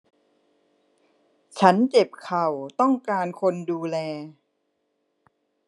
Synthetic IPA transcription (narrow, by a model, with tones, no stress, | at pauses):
t͡ɕʰa˦˥nt͡ɕe˨˩p̚kʰa˨˩wt̪ɔ˥˩ŋkaː˧nkʰo˧nduː˧lɛː˧